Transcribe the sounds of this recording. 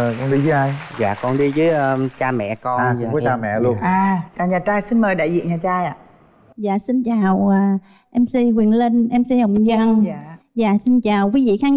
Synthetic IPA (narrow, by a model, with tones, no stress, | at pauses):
ə˨˩kɔ˧nɗi˧vəː˨˦aː˧jza̰ː˧˨kɔ˧nɗi˧zəː˨˦jʔəː˧t͡ɕaː˧mɛ̰˧˨kɔ˧˨ɔ˨˦aː˧mɛ̰˧˨lu˧ənʔaː˨˩t͡ɕaː˨˩ɲaː˨˩t͡ɕaː˧jsi˧nməː˨˩jɗa̰ː˧˨jzḭ˧˨əŋɲaː˨˩t͡ɕaː˧jʔa̰ː˧˨ | za̰ː˧˨si˧nt͡ɕaː˨˩wʔəː˨˩ | ʔɛ˧msi˧jkwi˨˩ənlə˧nʔɛ˧msi˧hə˨wŋ͡mzə˧˩ŋ˧za̰ː˧˨si˧nt͡ɕaː˨˩wkwi˨˦vḭ˧˨xaː˨˦